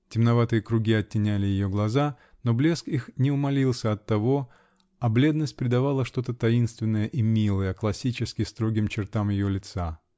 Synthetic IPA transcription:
tʲɪmnɐvat̪ɨjəkɾʊɡʲiɐtʲːɪnʲælʲɪjɪjo̞ɡlˠɐza | no̞blʲe̞skixnʲɪʊmɐlʲilˠsʲəɐt̪ːɐvo̞ | ɐblʲe̞d̪nəsʲt̚ʲpɾʲɪd̪ɐvalˠəʂt̪o̞t̪ət̪ɐinst̪vʲɪnːəjəʔimʲilˠəjəklˠɐsʲit͡ɕɪskʲɪst̪ɾo̞ɡʲɪmt͡ɕɪrt̪amjɪjolʲɪt̪sa

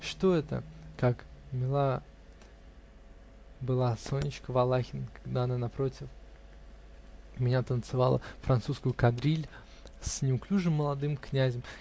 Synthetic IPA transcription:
ʂt̪o̞ɛt̪ə̰kakmʲɪlˠa | bɨlˠasonʲːɪt͡ɕkəvɐlˠaxʲɪnkaɡd̪aɐnanɐpɾotʲɪf | mʲɪnʲat̪ənt̪sɨvalˠə̰fɾʔɐnt̪suskʊjʊkɐd̪ɾʲilʲ | sʲnʲɪʊklʲuʐɨmːəlˠɐd̪ɨmknʲæzʲɪm

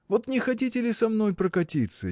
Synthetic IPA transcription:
vo̞t̪nʲɪxɐt̬ʲitʲɪlʲɪsɐmno̞jpɾəkɐtʲit̪sə

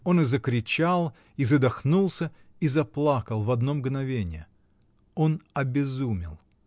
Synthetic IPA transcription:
o̞nɨzəkɾʲɪt͡ɕalˠ | izəd̪ɐxnulˠsʲə | izɐplˠakəlˠvɐd̪no̞mɡnɐvʲenʲɪjə | o̞nɐbʲɪzumʲɪ̰lˠ

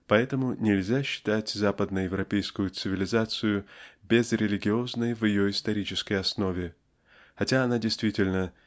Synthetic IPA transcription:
pɐɛt̪əmʊnʲɪlʲzʲaɕːɪ̥t̪atʲzapəd̪nəjɪvɾɐpʲejskʊjʊt̪sɨvʲɪlʲɪzat̪sɨjʊbʲɪzɾʲɪlʲɪɡʲɪo̞znəjvɪjo̞ɪst̪ɐɾʲit͡ɕɪskəjɐsno̞vʲɪ | xɐtʲaɐnadʲɪjst̪vʲitʲɪlʲnə

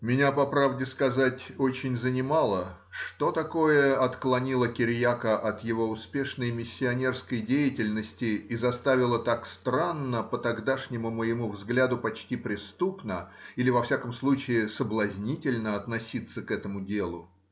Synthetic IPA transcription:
mʲɪnʲapɐpɾavdʲɪskɐzatʲo̞t͡ɕɪnʲzənʲɪmalˠə | ʂt̪o̞t̪ɐko̞jəɐt̪klˠɐnʲilˠəkʲɪɾʲjakəʔɐt̪jɪvo̞ʊspʲe̞ʂnəjmʲɪsʲːɪɐnʲe̞rskəjdʲejɪtʲɪlʲnəsʲtʲɪizɐst̪avʲɪlˠət̪akst̪ɾanːəpət̪ɐɡd̪aʂnʲɪmʊməjɪmuvzɡlʲad̪ʊpɐt͡ɕtʲipɾʲɪst̪upnəilʲɪvɐfsʲakəmslˠut͡ɕɪɪsəblˠɐzʲnʲitʲɪlʲnəɐt̪nɐsʲit̪sːəkɛt̪əmʊdʲelˠʊ

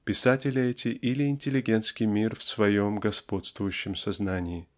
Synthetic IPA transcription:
pʲɪsatʲɪlʲɪɛtʲɪʔilʲɪɪnʲtʲɪlʲɪɡʲe̞nt̪skʲɪjmʲirfsvɐjomɡɐspo̞t̪st̪vʊjʉɕːɪmsɐznanʲɪɪ

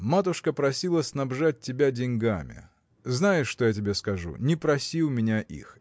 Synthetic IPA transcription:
mat̪ʊʂkəpɾɐsʲilˠəsnɐbʐat̚ʲtʲːɪbʲadʲɪnʲɡamʲɪ̰ | znajɪʂːt̪o̞jatʲɪbʲe̞skɐʐṵnʲɪpɾɐsʲiwˠmʲɪnʲaʔḭx

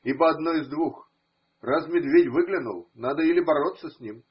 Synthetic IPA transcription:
ibəɐd̪noɪzd̪vux | rasmʲɪd̪vʲetʲvɨɡlʲɪnṵlˠnad̪əilʲɪbɐɾo̞t̪sːəsʲnʲim

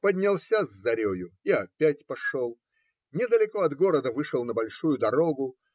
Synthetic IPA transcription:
pədʲnʲɪlˠsʲazːɐɾʲojʊiɐpʲætʲpɐʂolˠ | nʲɪd̪əlʲɪko̞ɐd̪ɡo̞ɾəd̪əvɨʂəlˠnəbɐlʲʂujʊd̪ɐɾo̞ɡʊ

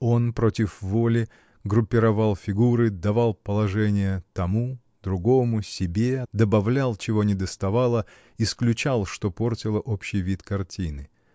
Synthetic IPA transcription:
o̞npɾo̞tʲɪfvo̞lʲɪ | ɡɾʊpʲːɪɾɐvalˠfʲɪɡuɾɨd̪ɐvalˠpəlˠɐʐɛnʲɪjət̪ɐmu | d̪ɾʊɡo̞mʊsʲɪbʲe̞d̪əbɐvlʲalˠt͡ɕɪvo̞nʲɪd̪əst̪ɐvalˠə | ɪsklʲʉt͡ɕalˠʂt̪o̞po̞rtʲɪlˠəʔopɕːɪjvʲit̪kɐrtʲʰinɨ

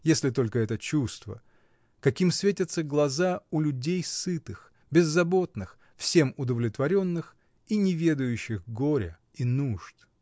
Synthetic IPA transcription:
jesʲlʲɪt̪o̞lʲkəɛt̪ət͡ɕust̪və̰ | kɐkʲimsvʲetʲɪt̪səɡlˠɐzaʊlʲʉdʲejsɨt̪ɨx | bʲɪzːɐbo̞t̪nɨx | fsʲe̞mʊd̪əvlʲɪt̪vɐɾʲo̞nːɨx | inʲɪvʲe̞d̪ʊjʉɕːɪxɡoɾʲə̰ | inuʐt̪

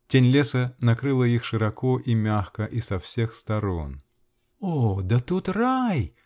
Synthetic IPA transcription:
tʲenʲlʲesənɐkɾɨlˠəixʂɨɾɐkoʔimʲaxkəʔisɐfsʲexst̪ɐɾo̰n | od̪ət̪ut̪raj

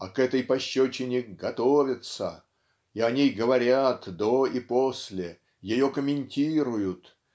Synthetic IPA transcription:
ɐkɛt̪əjpɐɕːot͡ɕɪnʲɪɡɐt̪ovʲɪt̪sə̰ | iɐnʲijɡəvɐɾʲat̪d̪oiposʲlʲɪ | jɪjo̞kəmʲɪnʲtʲiɾʊjʊt̪

